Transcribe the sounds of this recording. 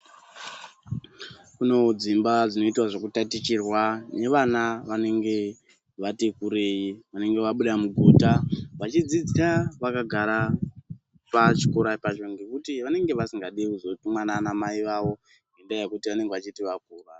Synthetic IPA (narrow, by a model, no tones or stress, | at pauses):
kuno̞d͡zimbad͡zino̞itwaʐokutatit͡ʃirwane̞ʋanaʋane̞ŋɡe̞ | ʋatekuɾe̞jiʋane̞ŋɡe̞ʋaɓuɗamuɡʱuːtaʋat͡ʃid͡zid͡ziɾaʋakaɡʱaɾa | pat͡ʃi̥koɾapat͡ʃo̞ŋɡe̞kutiʋane̞ŋɡe̞ʋasiŋɡaɗiuzotimwananamaiʋaʋo̞ | ŋɡendajekutiʋane̞ŋɡeʋat͡ʃitiʋakuːra